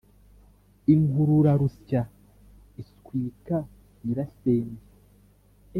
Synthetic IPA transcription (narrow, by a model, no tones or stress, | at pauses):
iŋɡuɾuɾaɾusca | iskwiːka | iɾaseːme